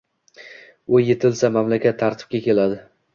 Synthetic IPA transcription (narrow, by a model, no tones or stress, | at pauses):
ʊje̞t̪ʰɪlsamamlakʲʰat̪ʰːaɾt̪ʰɪ̥p̚kʲakʲe̞lad̪ɪ